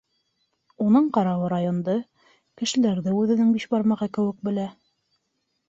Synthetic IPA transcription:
unɤɴqɑɾɑwɤɾajond̪ɤ | kɘ̆ʃɘ̆læɾðɘʉðɘ̆nɘŋbiʃbɑɾmɑʁɑkɘ̆wɘ̆k̚bɘ̆læ

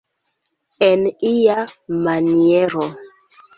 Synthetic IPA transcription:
eniamanieɾo

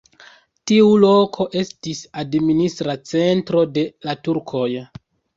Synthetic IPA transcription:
tiulo̞kʰo̞ʔe̞stisadministɾat͡se̞ntɾo̞de̞latuɾkʰo̞j

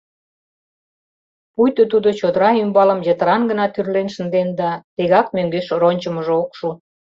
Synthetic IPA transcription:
pujt̪ot̪ud̪ot͡ɕod̪əɾɑymbɑlə̆mjət̪əɾɑnɡənɑt̪yrlenʃə̆nd̪end̪ɑt̪eɣɑkmøŋɡeʃronʲt͡ɕə̆məʒookʃu

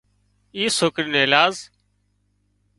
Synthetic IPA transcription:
iːsoːkɾiːneːlaːz

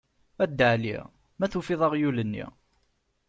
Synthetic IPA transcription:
æd̪ːəʕlḭʁ | mæθufiðˤɑʁjulənːḭ

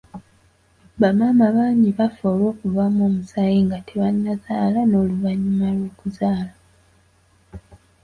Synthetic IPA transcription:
βamaːmaβaːɲiβafo̞ːlwo̞ːkuvamoːmusaːjeŋɡatʰeβanːazaːlano̞ːluvaɲːumalwo̞ːkuzaːla

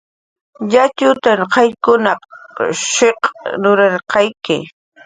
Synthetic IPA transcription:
ʎat͡ʃʊt̪anqɑjkʊnɑqʃeqnʊɾɑɾqɑjkɪ̰

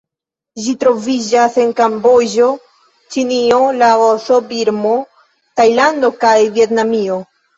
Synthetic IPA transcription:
ʒitɾo̞vid͡ʒase̞nkambo̞d͡ʒo̞ | t͡ʃinio̞laosobiɾmo̞ | tajlando̞kajvie̞tnamio̞

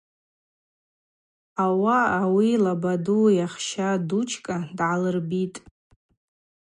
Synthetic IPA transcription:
awaːwilabadujaχʃadut͡ʃʰkʼadʕalɨrbitʼ

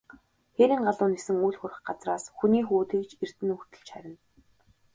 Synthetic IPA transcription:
xeɾiːŋɢaɮʊːnesɘ̆ŋujɮxʊr̆ʲχɢat͡sraːsxuniːxuːt̪eːkt͡ɕer̥t̪ɘ̆nuxt̪ɘ̆ɮt͡ɕχæɾʲɪ̆n

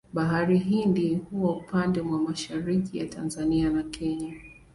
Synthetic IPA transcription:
ɓaɦaɾiɦindihuaupandɛmwamaʃaɾikijatanzanianakʰɛɲa

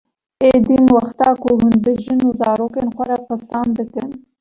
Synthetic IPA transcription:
ed̪imwaxt̪ɑkoɦʊn̚b̪əʒənuzɑːɾokenxʷaɾapəsɑnd̪əkən

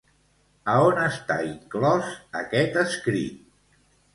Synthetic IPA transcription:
əonəst̪a̰iŋklɔzə̰kɛt̪əskɾḭt̪̚

